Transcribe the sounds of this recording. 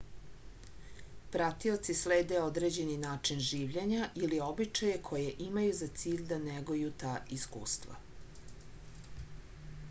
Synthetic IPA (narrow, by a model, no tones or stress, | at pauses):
pɾat̪iot̪sisleːd̪e̞o̞d̪ɾed͡ʑe̞ninaːt͡ʂinʒiːʋʎeɲaʔilio̞bit͡ʃajekʰo̞jeʔimajuzat̪siːʎd̪aneɡojut̪aːʔiskṵːst̪va̰